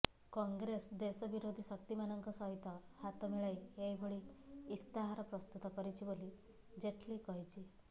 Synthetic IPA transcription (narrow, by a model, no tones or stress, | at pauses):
kɔŋɡɾesd̪esəbiɾod̪ʱiɕəkt̪imanəŋkəsɔɦit̪ɔhat̪əmiɭajjejbʱoɭiːst̪aɦaɾəpɾəst̪ut̪ɔkəɾit͡ɕiboli | d͡ʑeʈʰliːkɔɦjt͡ɕiː